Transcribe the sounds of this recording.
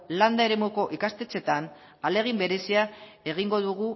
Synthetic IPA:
land̪ae̞ɾe̞muko̞ʔikast̪e̞t͡se̞t̪an | ale̞ɣ̞imbe̞ɾe̞sia | e̞ɣ̞iŋɡo̞ðuɣu

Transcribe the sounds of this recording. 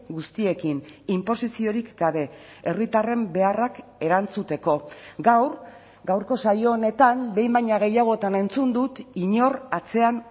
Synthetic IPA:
ɡust̪ie̞kinimpo̞sisio̞ɾikɡaβe̞ | erit̪are̞mbe̞arake̞ɾant͡sut̪e̞ko̞ɡawr | ɡawɾko̞sajo̞ːne̞t̪ambe̞jmbajɲaɣ̞e̞jaɣ̞o̞t̪ane̞nt͡sund̪ut̪iɲo̞rat͡se̞an

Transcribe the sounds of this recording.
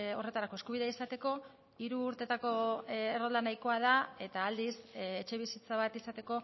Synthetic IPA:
o̞re̞t̪aɾako̞eskuβiðeisat̪e̞ko̞ | iɾuːɾt̪e̞t̪ako̞erold̪anajko̞að̞ae̞t̪aːld̪iset͡ʃe̞β̞isit͡saβat̪isat̪e̞ko̞

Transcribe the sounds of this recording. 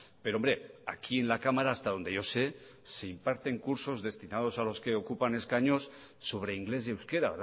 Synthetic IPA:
peɾombɾeakʰienlakamaɾaːst̪aðo̞nd̪e̞jose | seimpaɾt̪e̞ŋkuɾso̞zðest̪inað̞osalo̞skeokupane̞skaɲosː | oβ̞ɾeiŋɡlezewskeɾaβeɾ

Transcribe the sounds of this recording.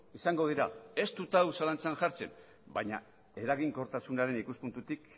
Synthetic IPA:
isaŋɡo̞ð̞iɾae̞st̪ut̪awsalant͡sanʝaɾt͡se̞̰n | baɲa̰ | e̞ɾaɣiŋko̞ɾt̪asunaɾe̞nikuspunt̪ut̪ik

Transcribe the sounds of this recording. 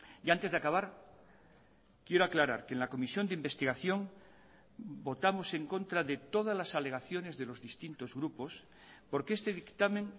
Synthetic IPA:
jant̪e̞zðakaβ̞aɾ | kjeɾoaklaɾaɾkenlako̞misjo̞nd̪eimbe̞st̪iɣaθjo̞ŋ | bo̞t̪amo̞se̞ŋkõ̞nt̪ɾaðet̪o̞ð̞azlasale̞ɣ̞aθjo̞ne̞zðe̞lo̞zðist̪int̪o̞zɣɾupo̞s | po̞ɾkeest̪e̞ðikt̪amẽŋ

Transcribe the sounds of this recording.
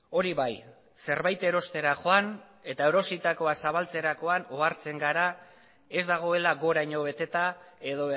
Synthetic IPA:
o̞ɾiβaj | se̞ɾβajt̪e̞ɾo̞st̪e̞ɾaχo̞an | e̞t̪aeɾo̞sit̪ako̞asaβ̞alt͡se̞ɾako̞anoaɾt͡se̞ŋɡaɾa | e̞zd̪aɣ̞o̞e̞laɣo̞ɾajɲo̞βe̞t̪e̞t̪ae̞ðo̞

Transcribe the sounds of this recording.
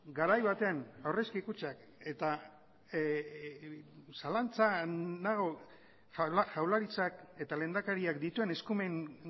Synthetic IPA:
ɡaɾajβat̪e̞anawreskikut͡ʃak | e̞t̪a | salant͡sanaɣo̞ | xawlaɾit͡sake̞t̪ale̞nd̪akaɾiakd̪it̪ue̞ne̞skume̞ŋ

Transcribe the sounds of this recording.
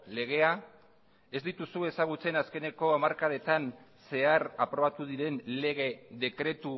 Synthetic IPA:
le̞ɣ̞e̞a | e̞zd̪it̪usue̞saɣ̞ut͡se̞naske̞ne̞ko̞amaɾkaðe̞t̪an | se̞aɾapɾo̞β̞at̪uð̞iɾe̞nle̞ɣ̞e̞ðe̞kɾe̞t̪u

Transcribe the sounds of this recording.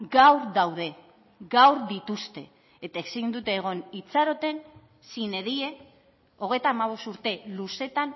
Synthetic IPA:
ɡawɾðawð̞e̞ | ɡawɾðit̪ust̪e̞̰ː | t̪aesind̪ut̪e̞ːɣ̞o̞nit͡saɾo̞t̪e̞n | sine̞ðie̞ | o̞ɣ̞e̞jt̪aːmaβ̞o̞st̪uɾt̪e̞luse̞t̪an

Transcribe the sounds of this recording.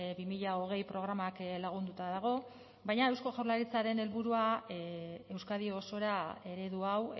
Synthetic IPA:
bimiʎaoɣ̞e̞jpɾo̞ɣ̞ɾamaklaɣ̞und̪ut̪aðaɣ̞o̞ | bajɲae̞wsko̞ʝawlaɾit͡saɾe̞ne̞lβuɾua | e̞wskaðioːso̞ɾae̞ɾe̞ðuaw

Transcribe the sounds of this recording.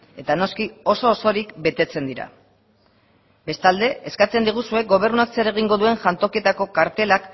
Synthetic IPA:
e̞t̪ano̞skio̞so̞ːso̞ɾikbe̞t̪e̞t͡se̞nd̪iɾa̰ | be̞st̪ald̪e̞eskat͡se̞nd̪iɣ̞usue̞k̚ɡo̞β̞e̞ɾnuakseɾe̞ɣ̞iŋɡo̞ðue̞ŋʝant̪o̞kie̞t̪ako̞kaɾt̪e̞lak

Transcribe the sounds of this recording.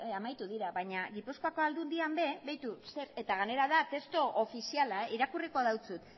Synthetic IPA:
amajt̪uðiɾaβaɲaɣipuskoako̞ald̪und̪iambe̞βejt̪use̞ɾe̞t̪aɣ̞ane̞ɾaðat̪e̞st̪oʔofisialaeiɾakuriko̞ðawt͡sut̪

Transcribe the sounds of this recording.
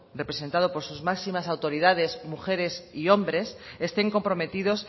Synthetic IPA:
repɾesent̪aðopo̞ɾsuzmaksimasawt̪o̞ɾið̞að̞e̞zmuxeɾe̞sio̞mbɾe̞sest̪e̞ŋko̞mpɾo̞me̞t̪ið̞o̞s

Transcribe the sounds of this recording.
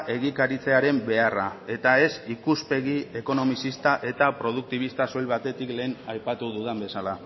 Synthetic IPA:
ʔe̞ɣikaɾit͡se̞aɾe̞mbe̞arae̞t̪ae̞sikuspe̞ɣie̞ko̞no̞misist̪aʔe̞t̪apɾo̞ð̞uk̚t̪iβ̞ist̪aso̞jβat̪e̞t̪ikle̞ːnajpat̪uðuðembe̞sala

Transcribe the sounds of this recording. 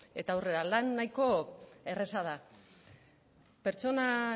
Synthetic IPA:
e̞t̪aːwre̞ɾalanːajko̞e̞re̞sað̞a | pe̞ɾt͡so̞na

